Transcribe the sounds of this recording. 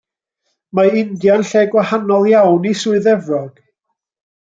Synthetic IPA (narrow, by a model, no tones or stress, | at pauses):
maɪndjanɬeːɡwahanɔlˠjawnisʊɨðɛvrɔɡ̥